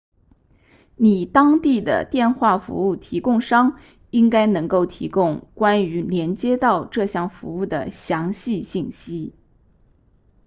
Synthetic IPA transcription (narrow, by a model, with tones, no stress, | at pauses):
ni˨˩t̪ɑ˥ŋt̪i˥˩d̪ə̰˩t̪jɛ˥˧nxwa˥˩fṵ˧˥u˥˩t̪ʰi˧˥kʊ˥˩ŋʂɑ˥ŋ | i˥ŋka˥ɪnɤ˧˥ŋko˥˩ʊt̪ʰḭ˧˥kʊ˥˧ŋkwa˥ny˧˥ljɛ˧˥nt͡ɕjɛ˥t̪ɑ˥˧ʊʈ͡ʂɤ˥˧ɕjɑ˥˩ŋfṵ˧˥u˥˩d̪ə̰˩ɕjɑ˧˥ŋɕi˥˧ɕi˥˩nɕi˥